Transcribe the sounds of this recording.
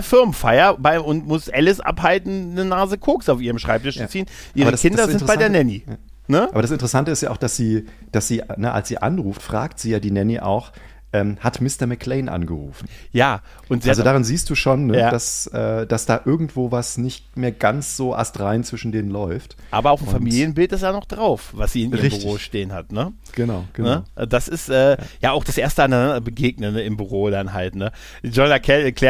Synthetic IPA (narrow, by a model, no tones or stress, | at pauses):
fɪɐmfaɪɐbaɪʔʊntmʊsʔɛlɪsʔa̰phaltn̩nənaːzəkʰoːksaʊfiːʁəmʃʁ̥aɪp̚tʰɪʃt͡st͡siːnʔiːaʁbɐəasɪndɐzɪntbaɪdeːɐnɛni | nəaːbɐɾas̬ɪntəʁəsantəɪstjaːʔaʊχd̥asz̥iː | d̥asz̥iːnəʔa̰lsz̥ḭːʔa̰nʁuːftfʁ̥a̰ːktz̥iːjaːdiːnɛniʔa̰ʊx | ʔɛːmhatmɪstɐmɛkʰleɪnʔa̰nɡəʁṵːfn̩jaː | ʔʊntzalzodaːʁɪnziːst̚d̥uːʃoːnːəd̥asʔɛːd̥asd̥aːʔɪɐɡŋ̩tv̥oːvasnɪçtmeːɐɡant͡sz̥oːʔa̰stʁaɪnt͡sv̥ɪʃn̩deːnənlɔʏft | ʔaːbɐaʊfn̩famiːljənbɪltdɪsd̥aːnɔχd̥ʁaʊfvasz̥iːɪnʁɪçbtyʁoːʃteːənhatnə | ɡ̥ənaʊɡ̥ənəʊd̥asɪstʔɛːjaːaʊxd̥asʔeːɐstəananandɐbəɡeːɡ̚nənɪmbyʁoːdanɦaltnə | d͡ʒɔnakʰɛlɛɐkl̥ɛ